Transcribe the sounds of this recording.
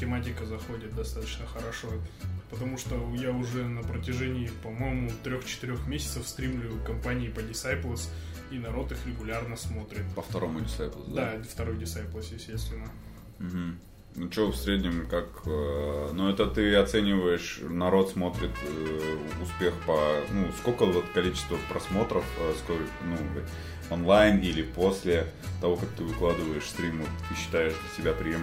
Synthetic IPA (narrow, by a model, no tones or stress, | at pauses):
tʲɪmatʲɪkəzɐxo̞dʲɪt̪̚d̪ɐst̪at̪ət͡ɕnəxəɾɐʂopət̪ɐmuʂt̪ojaʊʐɛnəpɾətʲɪʐɛnʲɪɪpɐmo̞jɪmʊt̪ɾʲoxt͡ɕɪ̥t̪ɨɾʲo̞xmʲesʲɪt̪səfst̪ɾʲimlʲʊʊkɐmpanʲɪːpədʲɪsajplˠəsʲ | inɐɾo̞t̪ɨxɾʲɪɡʊlʲarnəsmo̞t̪ɾʲɪt̪pəft̪ɐɾo̞mʊdʲɪsajplˠəsd̪aft̪ɐɾo̞jdʲɪsajplˠəsʲjɪsʲt̪ʲesʲt̪vʲɪnə | m̩ɦm̩ | nt͡ɕofsʲɾʲedʲnʲɪmkakənuɛt̪ət̪ɨɐt̪sɛnʲɪvəjɪʂnɐɾo̞t̪smo̞t̪ɾʲɪt̪ | ʊspʲe̞xpənuskolʲkəvot̪kɐlʲit͡ɕɪ̥st̪vəpɾɐsmo̞t̪ɾəfəsko | nu | onlˠajnilʲɪpo̞sʲlʲɪ | t̪ɐvo̞kak̚t̪ɨvɨklˠad̪ɨvəjɪʂst̪ɾʲimʊt̪ɨɕːɪ̥t̪ajɪʂd̪əsʲɪbʲapɾʲɪjem